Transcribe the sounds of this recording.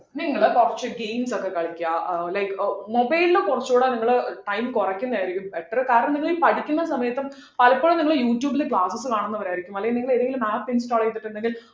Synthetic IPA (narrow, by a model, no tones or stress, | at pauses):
niŋːɐɭkurɐt͡ɕːɨɡejmsokːe̞kɐɭikʲːuaːlɐjkːɨmobɐjlilekurɐt͡ɕːuːɽeniŋːɐɭʈɐjmkurɐkʲːunːɐaːjiɾikʲːumpeʈːɐrɨkaːɾɐɳɐmniŋːɐɭipɐɽikʲːunːɐsɐmɐjɐt̪ːum | pɐlɐpːoɭumniŋːɐɭjuːʈjuːbilekɭaːsɐsɨkaːɳunːɐʋɐɾaːiɾikʲːumɐlːɐjmniŋɡiɭeðeŋɡilumaːpːinsʈaːɭɐjt̪ːiʈːeɳɖeŋɡil